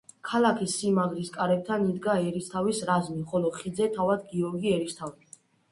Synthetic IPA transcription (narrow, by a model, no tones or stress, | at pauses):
kʰalakʰisːimaɡɾiskʼaɾɛb̚t̪ʰanid̪ɡaɛɾist̪ʰavisɾazmiχɔlɔχid̪zɛt̪ʰavad̪̚ɡiɔɾɡiɛɾist̪ʰavi